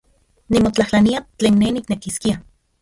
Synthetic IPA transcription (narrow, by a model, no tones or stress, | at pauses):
nimot͡ɬahlaniat͡ɬeːnːeniknekiskia